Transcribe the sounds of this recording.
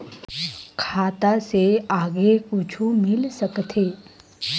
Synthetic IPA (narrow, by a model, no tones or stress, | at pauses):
kʰaːt̪aseaːɡekʊt͡ʃʰumɪlsəkt̪ʰeː